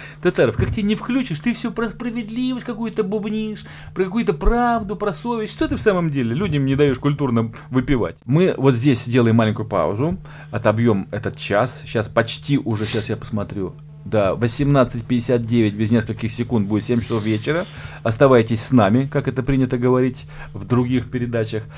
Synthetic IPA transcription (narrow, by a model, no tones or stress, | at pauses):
t̪ɐt̪aɾəfkak̚t̪ʲɪenʲɪfklʲut͡ɕɪʂt̪ɨfsʲopɾəspɾəvʲɪd̪ʲlʲivəsʲtʲkɐkujʊt̪əbʊbnʲiʂ | pɾəkɐkujʊt̪əpɾavd̪ʊpɾɐsovʲɪsʲʂt̪ot̪ɨfsaməmdʲelʲɪlʲudʲɪmnʲɪd̪ɐjoʂkʊlʲt̪urnə | vɨpʲɪva̰tʲmɨvo̞t̪zʲdʲesʲdʲelˠəjɪmalʲɪnʲkʊjʊpa̰ʊ̰zʊ | ɐt̪ɐbjo̞mɛt̪ət̪t͡ɕasɕaspɐt͡ɕtʲiʔʊʐɛɕasjapə̥smɐt̪ɾʲu | d̪avəsʲɪmnat̪sɨtʲpʲɪdʲɪsʲat̪̚dʲevʲɪtʲbʲɪzʲnʲeskəlʲkʲɪxsʲɪkunt̪̚budʲɪt̪sʲemʲt͡ɕɪ̥sofvʲet͡ɕɪɾə | ɐst̪ɐvajtʲɪsʲsnamʲɪkakɛt̪əpɾʲinʲɪt̪əɡəvɐɾʲitʲ | vd̪ɾʊɡʲixpʲɪɾʲɪd̪at͡ɕəx